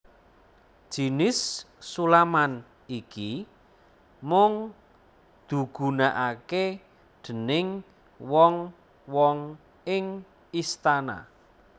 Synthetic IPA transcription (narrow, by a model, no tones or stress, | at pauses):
d̥ʒ̥i̤nɪsː | ulaman | iki | mʊŋ | d̪̥ṳɡ̥ṳnaʔake | ɖ̥ə̤nɪŋ | wɔŋ | wɔŋ | ɪŋ | ist̪ana̰